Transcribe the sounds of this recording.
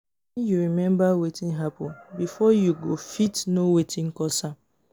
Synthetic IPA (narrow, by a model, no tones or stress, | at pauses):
ɛ̃njuɹimɛ̃mbawetĩnɦapʊbifɔjuɡofitnowetʰĩŋkɔsa